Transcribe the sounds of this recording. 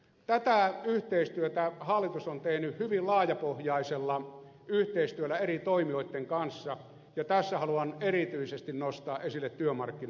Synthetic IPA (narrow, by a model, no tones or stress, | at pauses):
t̪æt̪æyht̪eist̪yøt̪æhɑlːˑit̪usont̪ehnyhhyʋillɑːjɑpohjɑiselːɑ | yht̪eist̪yølːæerit̪oimioˑit̪ːeŋkɑnsːɑ | jɑt̪æsːæhɑluɑnerit̪yisest̪innost̪ɑːʔʔesilːet̪tyømɑrkːin